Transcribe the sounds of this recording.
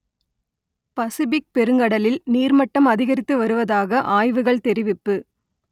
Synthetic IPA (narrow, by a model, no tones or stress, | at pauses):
pɐsɪbɪk̚pɛɾɯŋɡɐɽɐlɪlniːɾmɐʈːɐmɐðɪɣɐɾɪt̪ːɯʋɐɾɯʋɐðaːɣɐʔaːjʋɯɣɐɭt̪ɛɾɪʋɪpːɯ